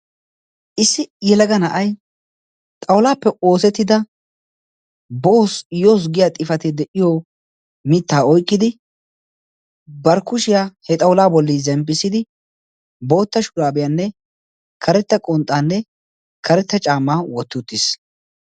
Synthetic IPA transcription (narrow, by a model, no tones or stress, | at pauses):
ʔɪsːɪjɛlɐɡɐnɐʔɐj | t̪ʼɐwlaːpːɛʔo̞ːsɛt̪ːɪd̪ɐ | boːsjo̞ːs̬ɡɪjaːt̪ʼɪfɐt̪ɪd̪ɛʔɪjo | mɪt̪ːaːɔjkʼːɪd̪ɪ | bɐɾkʊʃɪjaːhɛt̪ʼɐwlaːbɔlːizɛmpʼːɪsɪd̪ɪ | bo̞ːt̪ːɐʃʊɾaːbɪjaːnːɛ | kʰɐɾɛt̪ːɐkʼɔnt̪ʼːaːnːɛ | kʰɐɾɛt̪ːɐt͡ʃʼaːmːaːwɔt̪ːʊt̪ːɪs